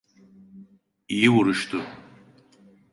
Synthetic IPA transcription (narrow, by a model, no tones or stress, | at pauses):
ijiwuɾuʃt̪u